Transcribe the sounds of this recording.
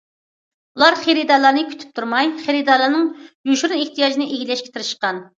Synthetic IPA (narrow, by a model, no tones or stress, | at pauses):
ulˠɑɾχeɾid̪ɑlˠɑɾnɨkʲʰy̥t̪ʰy̥p̚t̪ʰuɾmɑjχeɾid̪ɑɾlˠɑɾnɨŋjuʃɾuneht̪ʰijɑːd͡ʒinɨʔeɡʲilɛʃkʲɛ̥t̪ʰɨɾɨʃəqɑn